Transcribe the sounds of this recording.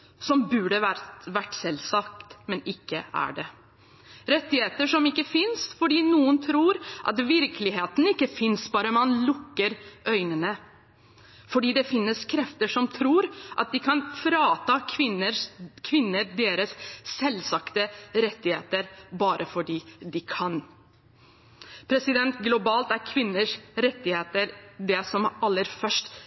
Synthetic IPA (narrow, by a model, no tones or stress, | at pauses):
sɔmbʉːɖəʋæɾʋæʈsɛlsɑk̚t̪mɛnɪkːəæ̰ɖɛ | ɾɛt̪ːɪheːt̪əʂɔmɪkːəfɪnsfɔɖiːnuːənt̪ʰɾuːɾʔɑ̰t̪ʋɪɾkəlɪɦeːt̪n̩ɪkːəfɪnsbɑːɾəmɑnlʊkːəɾʔœʏnənə | fɔɖiːd̪ɛfɪnːəskʰɾɛft̪əʂɔmt̪ʰɾuːɾʔɑ̰t̪̚d̪ɪkʰɑnfɾɑːt̪ɑɪnəkʰʋɪnːəɾd̪eːɾəsːɛlsɑkt̪əɾɛt̪ːɪheːt̪əɾbɑːɾʔəfɔɖiːd̪ɪkʰɑn | pʰɾɛsɪd̪ɛnt̪ɡlʊbɑːlt̪æɾkʰʋɪnːəʂɾɛt̪ːɪheːt̪əɾd̪ɛsɔmɑlːəɾfœʂʈ